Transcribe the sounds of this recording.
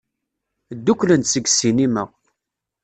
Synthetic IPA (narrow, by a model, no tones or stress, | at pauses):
d̪ːukːlənsəɡsinimə̰ʁ